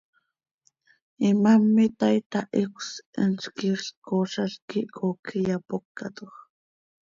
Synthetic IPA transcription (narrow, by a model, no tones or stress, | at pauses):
imamːit̪ajt̪aʔikʷsənt͡ʃkiɬkoʃaɬkiʔkokʰijapokːat̪oχ